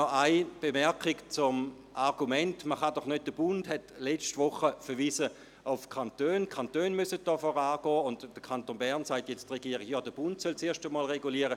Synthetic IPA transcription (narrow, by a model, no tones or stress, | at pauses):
ɔʔaɪb̥emɛɐkikt͡sʊm | ʔaʁɡumɛntməχadɔχnøt̚d̥əb̥ʊndhɛtlɛt͡ʃtʋʊχəfəɐʋiːsə | ʊʊfkʰantøːnkʰantøːnmysət̚d̥ɔːfɔʁaːɡ̥ɔːʊntd̥əkʰantoːnbɛʁnsaɪtjɛt͡stʁeɡiəʁiɡjɑːdəb̥ʊntsølt͡seːɐʃtəmɔːlʁeɡuliːɐəʁə